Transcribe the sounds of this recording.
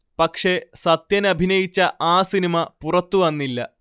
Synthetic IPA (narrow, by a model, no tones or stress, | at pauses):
pɐkʂe̞sɐt̪jɐnɐbʱinɐjit͡ɕːɐʔaːsinimɐpurɐt̪ːuʋɐnːilːɐ̰